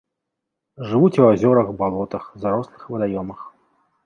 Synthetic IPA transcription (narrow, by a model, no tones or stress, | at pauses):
ʐɨvut͡sʲɛwazʲɔɾɐxbalˠɔt̪ɐxzaɾɔslˠɨxvɨd̪ajɔmɨx